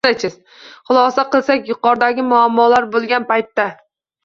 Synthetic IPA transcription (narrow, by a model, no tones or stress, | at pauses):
at͡ʃʰɪz | χʊlˠɒsaqɨlˠsakʲjʊqɒɾd̪aɡʲɪmʊamːɒlaɾbolˠɡʲanpajt̪ːa